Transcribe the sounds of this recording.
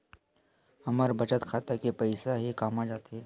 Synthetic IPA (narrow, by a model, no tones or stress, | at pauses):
hɐməɾbɐt͡ʃət̪kʰaːt̪əkepəɪsaɦikaːmad͡ʒaːt̪eɦɛː